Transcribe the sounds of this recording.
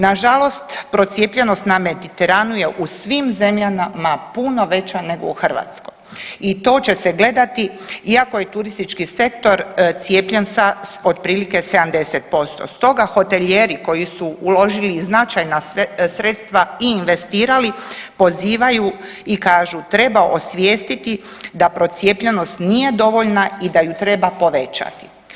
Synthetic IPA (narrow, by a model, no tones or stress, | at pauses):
naʒalo̞st̪pɾo̞t̪sje̞ːpʎe̞no̞st̪name̞d̪it̪eɾanuje̞ʔusʋiːmze̞mʎanamapuno̞ʋe̞t͡ɕane̞ɡo̞̰uxrʋa̰ːt̪sko̞̰j | it̪o̞ːt͡ʃe̞se̞ɡle̞d̪at̪iiako̞je̞t̪uɾist̪it͡ʃkise̞k̚t̪o̞ɾt̪sjeːpʎensaod̪pɾiːlike̞se̞d̪amd̪e̞set̪̚po̞st̪o̞̰st̪o̞ɡaxo̞t̪e̞ʎeːɾiko̞jisuulo̞ʒiliznat͡ʃajnasɾeːt̪st̪ʋaiːnʋe̞st̪iːɾalipo̞ziːʋaju | ikaːʒut̪ɾe̞baʔosʋje̞ːst̪it̪i | d̪apɾo̞t̪sje̞ːpʎeno̞st̪nije̞d̪o̞ʋo̞ʎnaid̪ajut̪ɾe̞bapo̞ʋe̞t͡ʃa̰t̪i̥